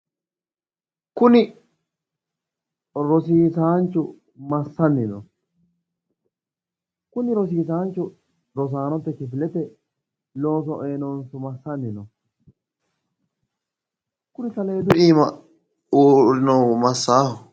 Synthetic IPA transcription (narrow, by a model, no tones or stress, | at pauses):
kʊnɪ | ɾɔsiːsaːnt͡ʃːʊ | mɐsːɐnːɪnɔ̰ | kʊnɪɾɔs̬iːsaːnt͡ʃːʊ | ɾɔs̬aːnɔt̪ːɛt͡ʃɪfɪlɛt̪ɛ | lo̞ːs̬ɔʔeːnɔnsʊmɐsːɐnːɪnɔ̰ | kʊnɪsɐleːd̪ʊʔiːmɐ | uːɾɪnɔwmɐsːaːhʊ